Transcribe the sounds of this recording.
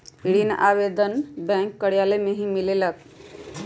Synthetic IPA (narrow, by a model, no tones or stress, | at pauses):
ɽina̰bed̪ənbɛ̃ŋkːəɽjaləjmeɦĩmilelək̚